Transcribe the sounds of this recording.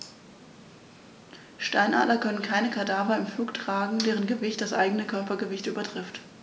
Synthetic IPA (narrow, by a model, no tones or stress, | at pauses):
ʃtaɪnʔa̰ːtlɐkʰœnənkʰaɪnəkʰadaːvɐɪmfluːktʁ̥aːɡŋ̩deːʁ̞ənɡəvɪçtd̥asʔaɪɡənəkʰœɐpɐɡəvɪçtʔyːbɐtʁ̥ɪft